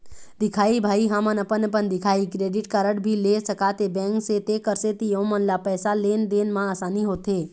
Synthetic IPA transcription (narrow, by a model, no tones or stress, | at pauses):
d̪ɪkʰaːibʱaːiɦãmənəpənəpənd̪ɪkʰaːikɾeːɖɪʈkaɾəɽbʱilesəkat̪ebɛ̃ːŋkset̪ekəɾset̪ijoɦõmənlapɛːsaleːnd̪eːnmãaːsaːniɦoːt̪eː